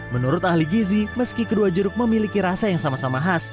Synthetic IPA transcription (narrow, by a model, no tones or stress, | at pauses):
mənuɾʊt̪̚ahliɡiziməskikəduad͡ʒuɾʊk̚məmilikiɾasajaŋsamasamaɦas